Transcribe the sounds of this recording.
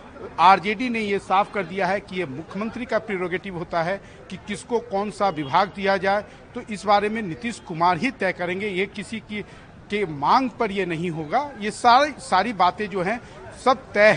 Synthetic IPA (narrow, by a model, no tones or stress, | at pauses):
aːɾd͡ʒeːɖinejesaːfʰkɐɾd̪ijaɦɛkijemʊkʰjəmə̃nt̪ɾikapɾeːɾɔːɡeːʈɪʋɦoːt̪aɦɛ | kikɪskokɔːnsaʋɪbʱaːɡ̚d̪ijad͡ʒaːe | t̪oʔɪsbaːɾemẽnɪt̪ɪʃkʊmaːɾɦit̪ɛːkɐɾẽːŋɡejekɪsiki | kemãːŋɡpɐɾjenɐɦĩɦoːɡaːjesaːɾesaːɾibaːt̪ẽd͡ʒoːɦɛ̃ | sɐb̚t̪ɛːɦ